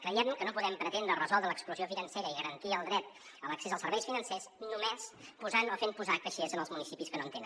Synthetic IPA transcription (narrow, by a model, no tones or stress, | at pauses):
kɾəjɛmmkənopuðɛmpɾət̪end̪ɾərəzɔlˠd̪ɾələkspluziofinənseɾəiɣəɾənt̪iəlˠd̪ɾɛt̪ | ələksezəlˠsəɾβɛjsfinənsesnumespuzanofempuzakəʃezənəlˠzmunisipiskənoənt̪enə̰